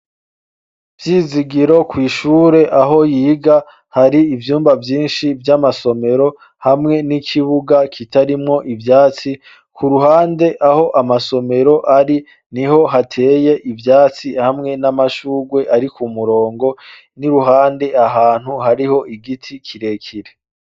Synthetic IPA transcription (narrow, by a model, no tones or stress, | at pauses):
vjiːziɡiɾo̞kwiːʃuːɾe̞ʔaɦo̞jiːɡa | haɾiːvjuːmbavjiːnʃivjamaso̞me̞ɾo̞ | hamŋe̞nikʰiβuɡakʰitaɾimŋo̞ʔivjaːt͡si | kʰuɾuhaːnde̞ʔaho̞ʔamaso̞me̞ɾo̞ʔaɾi | niho̞ɦatʰe̞ːje̞ʔivjaːt͡sihamŋe̞namaʃuːɡwe̞ʔaɾikumuɾo̞ːŋɡo̞ | niɾuɦaːnde̞aɦaːn̥huhaɾiho̞ʔiɡitʰikʰiɾe̞kʰiɾe